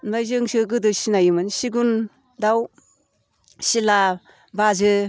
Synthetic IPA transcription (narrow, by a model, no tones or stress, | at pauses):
najzɯŋsɯɡɯdɯsinajɯmɯnsiɡun | daw | sila | bazɯ